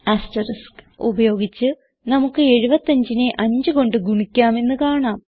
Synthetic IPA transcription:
aːstɐɾiskṵbɐjo̞ːɡit͡ɕːɨ | nɐmukːɨe̞ɻubɐt̪ːɐɲd͡ʑineʔɐɲd͡ʑɨɣo̞ɳɖɨɡuɳikʲːaːme̞nːɨkaːɳaːm

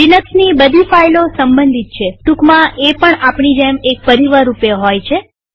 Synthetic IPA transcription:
inəksnibəd̪ʱifajlosəmbənd̪ʱit̪̚t͡ʃʰeʈukmãʔepəɳapɳ̃id͡ʒemek̚pəɾiʋaɾupeɦojt͡ʃʰe

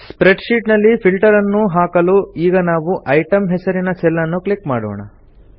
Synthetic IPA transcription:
spɾeɖʃiːʈnɐlːipʰilʈɐɾɐnːuɦaːkɐluiːɡɐnaːʋuʔɐjʈɐmɦɛsɐɾinɐsɛlːɐnːuklikmaːɽo̰ːɳɐ̰

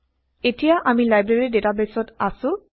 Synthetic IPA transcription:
etijaʔamilajbɹeɹidetabesɔtasʊ̃

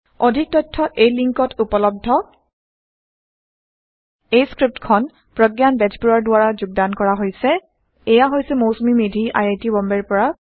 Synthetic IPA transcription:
odʱik̚tɔjtʰːɔʔejliŋkɔtʰupɔlɔb̚dʱːɔ | ejskɹip̚tkʰɔn | pɹɔɡjanbɛd͡ʒbuɹɔɹdʊaɹazʊɡ̚dankɔɹaɦojsɛ | ɛjaɦojsɛmowsumimedʱiʔa̰jejtibɔmbɛɹpɔɹa

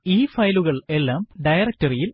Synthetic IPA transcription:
iːfɐjluɣɐɭe̞lːaːmɖɐjɐrɐk̚tɐrijil

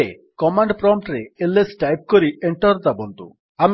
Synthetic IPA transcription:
e | kɔmaɳɖpɾɔmʈɾeelesʈajp̚koɾieɳʈɔɾt̪abɔnd̪ṵ | am

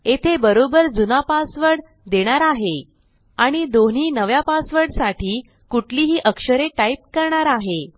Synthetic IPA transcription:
et̪ʰebəɾobəɾd͡zunapasʋəɽ | d̪eɽ̃aɾaɦe | aɽ̃id̪oɳ̤iːnəʋjapasʋəɽsaʈiː | kuʈʰliːɦiːʔəkʂəɾeʈaip̚kəɾɳaɾaɦe

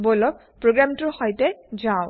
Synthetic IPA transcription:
bolɔk̚ | pɹoɡɹamtʊɹhɔjtɛzaʊ

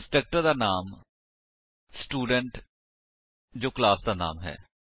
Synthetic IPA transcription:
sʈeːk̚ʈəɾd̪aːnaːm | sʈuːɖəɳʈ | d͡ʒoːklaːsd̪aːna̰ːmɦɛ̰ː

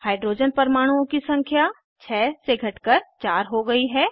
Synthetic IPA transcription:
haːɪɖɾoːd͡ʒənpəɾmaːɽ̃uõkisɐ̃ŋkʰja | t͡ʃʰɛːseɡʱɐʈkəɾt͡ʃaːɾɦoɡɐiɦɛː

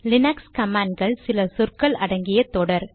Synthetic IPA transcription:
lɪnaːkskɐmaːɳɖ̚ɡɐɭsɪlɐsʊrkɐɭɐɽɐŋɡɪjɐt̪ːoːɽɐɾ

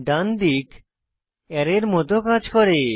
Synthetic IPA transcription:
ɖand̪ik | ɛɾeɾmɔt̪okad͡ʑkɔɾe

